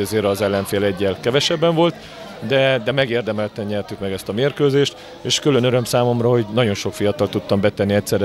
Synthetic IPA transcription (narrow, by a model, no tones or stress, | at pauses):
ɛzeːɾɒzɛlːɛɱfeːlɛɟːɛlkɛvɛʃɛbːɛɱvo̞lt̪ | d̪ɛd̪ɛmɛɡeːrd̪ɛmɛlt̪ɛɲɲɛrt̪ykmɛɡɛst̪ɒmeːrkøːzeːʃt̪ | eːʃkylø̞nøɾø̞msaːmo̞mrɒho̞ɟnɒɟo̞nʃo̞kfijɒt̪ɒlt̪ut̪ːɒmbɛt̪ɛnːiɛcsɛɾɛ